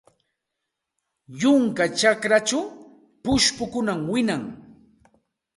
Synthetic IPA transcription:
jʊŋkat͡ʃakɾat͡ʃaw | pʊʃpʊkʊnamwɪnaŋ

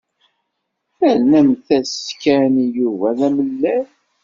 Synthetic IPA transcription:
θæɾnæmθæskænijuvæðæməlːæ

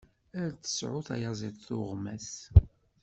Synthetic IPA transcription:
æɾt͡sːə̥sʕʊθæ̰jɑzˤiðˤθʊʁmæs

